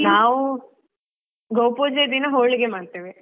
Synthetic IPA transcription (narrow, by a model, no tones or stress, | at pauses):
naːʋu | ɡowpoːd͡ʒed̪inɐɦoːɭiɡemaːɖt̪eːʋe